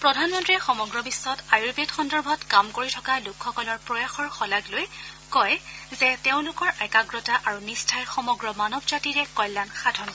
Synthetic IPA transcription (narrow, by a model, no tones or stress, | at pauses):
pɹɔdʱanmɔntɹixɔmɔɡɹɔbisːɔtajuɹbetxɔndɔɹbʱɔtkamkoɹitʰɔkalʊkʰxɔkɔlɔɹpɹɔjaxɔɹxɔlaɡlojkɔjzɛteʊ̃lʊkɔɹʔɛkaɡɹɔtaʔaɹunistʰajxɔmɔɡɹɔmanɔbzatiɹɛkɔjlːanxadʱɔnɔ